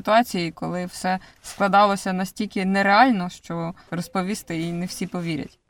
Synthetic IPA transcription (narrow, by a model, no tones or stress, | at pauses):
t̪ʊɑt͡sʲijikɔlˠɪwsɛsklˠɐd̪ɑlˠɔsʲɐnɐsʲtʲilʲkʲɪnɛɾeɑlʲnɔʃt͡ʃɔrɔspɔʋʲist̪ɪinɛwsʲipɔʋʲiɾʲɐ̰tʲ